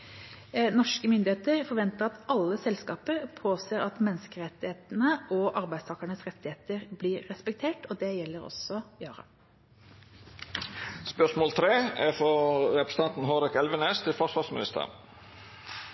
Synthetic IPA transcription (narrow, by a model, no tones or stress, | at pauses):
nɔʂkəmʏnd̪ɪheːt̪əɾfɔɾʋɛnt̪əʁɑt̪ɑlːəsɛlskɑːpəɾpʰoːseːɾɑt̪mɛnːskəɾɛt̪ːɪheːt̪nəʔɔʔɑɾbæɪd̪st̪ʰɑːkəɳəsʁɛt̪ːɪheːt̪əɾbliːɾːɛspɛk̚t̪ʰeːʈɔd̪ɛjɛlːəɾɔ̰sɔjɑːɾɑ̰ | spœʂmoːlt̪ʰɾeːæfɔɾɛpɾəsət̪ʰɑnt̪n̩ɦoɾɛkɛlʋəneːst̪ʰɪlfɔsʋɑsmɪnɪst̪ə̰ʁ